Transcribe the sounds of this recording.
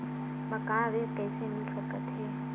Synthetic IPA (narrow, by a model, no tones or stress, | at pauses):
mɐkãːd̪eːɾkɛːsemɪlsɐkət̪ɦɛː